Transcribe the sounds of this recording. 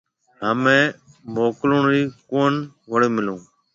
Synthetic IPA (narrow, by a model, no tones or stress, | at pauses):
ɦəmẽː | moːkloɳɾiːkoːn | ʋəɽeːmɪlũː